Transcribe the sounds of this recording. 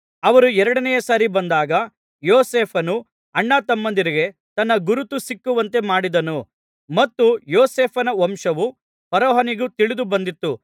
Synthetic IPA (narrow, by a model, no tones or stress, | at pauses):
ɐʋɐɾuɛɾɐɽɐnɛjɐsaːɾibɐnd̪aːɡɐ | joːseːpʰɐnu | ɐɳːat̪ɐmːɐnd̪iɾiɡe̞ | t̪ɐnːɐɡuɾut̪usikːuʋɐnt̪e̞maːɽid̪ɐnu | mɐt̪ːujoːseːpʰɐnɐʋɐmʂɐʋu | pɐɾɔːɦɐniɡut̪iɭid̪ubɐnd̪it̪ːu